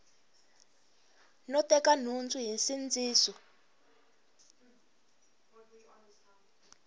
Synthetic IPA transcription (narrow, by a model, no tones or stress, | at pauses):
nɔtɛkan̤und͡zuɦinsind͡ziːsɔ